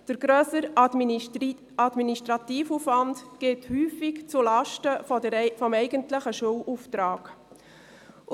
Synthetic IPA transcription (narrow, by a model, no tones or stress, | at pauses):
d̥əɾɡɾøːsəɾ | ɑdminiʃtɾɑt̪iːfufvɑndɡ̥ɪthyːfikt͡sulɑʃtəəfɔmɛɪɡəntləχəʃuːlʔuft̪ɾɑːɡ̥